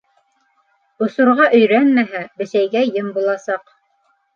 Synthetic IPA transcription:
ŏsŏɾʁɑʔɵ̆jɾænmæɦæbɘ̆ʃæjɡæjɤmbulˠɑsɑq

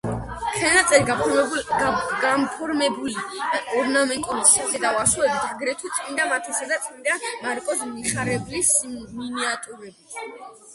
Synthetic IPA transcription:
χʰɛnat̪sʼɛɾi | ɡampʰɔɾmɛbuliɔɾnamɛŋkʼɔɾisi̥sat̪ɛd̪awasuɛbit̪ʰaɡɾɛt̪ʰwit̪sʼmʼind̪amat̪ʰɛsad̪at̪sʼind̪amaɾkʼɔsmiχaɾɛblisminiat̪ʼuɾɛbi

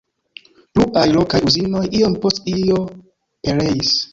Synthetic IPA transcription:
pluʔajlo̞kajuzino̞jʔio̞mpo̞stio̞ | pe̞le̞is

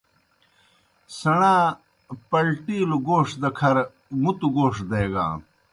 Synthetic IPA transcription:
sɐɳãː | pɐlʈiːluɡoːʂd̪ɐkʰɐɾ | mut̪uɡoːʂd̪ɐeɡa̰ː

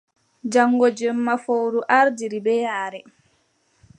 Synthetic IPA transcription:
d͡ʒaŋːɡɔd͡ʒɛmːafowɾuʔaɾdiɾibɛjaːɾɛ

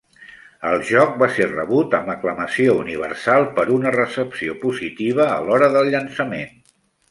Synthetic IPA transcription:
əlˠʒɔk̚baserə̰βut̪əməkləməsiouniβ̞ə̰rsalˠpəɾunərəsəpsiopuzit̪iβ̞əːlɔɾəðəlˠʎənsəmen

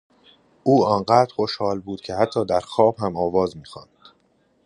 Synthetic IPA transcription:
ʔuːɒːnɢæːd̪ɾxo̞ʃhɒːlbuːd̪̥̚cʰe̞hæt̪ʰːɒːd̪æɾxɒːb̥hæmɒːvɒːzmiːxɒ̰ːnd̪̥

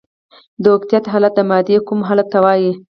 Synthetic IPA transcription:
d̪əokt̪ijat̪ɦɑlat̪̚d̪əmɑd̪ekumɦɑlat̪ːawɑji

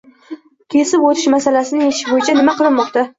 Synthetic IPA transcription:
kʲʰe̞sɪpot̪ʰɪʃmasalasɪnɪeʃɪ̥bojɪt͡ʃʰanɪmaqʰɨɾɪnmɒqt̪a

